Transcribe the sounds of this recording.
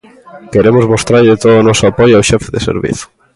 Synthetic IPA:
keɾemʊzβost̪ɾajʎet̪oðʊonɔsʊapɔjoawʃɛfeðesḛɾβḭθʊ̥

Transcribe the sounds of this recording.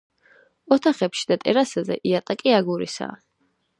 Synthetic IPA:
ɔt̪ʰaχɛpʃi̥d̪at̪ʼɛɾasazɛ̰ʔiat̪ʼakʼiaɡuɾḭsa̰ː

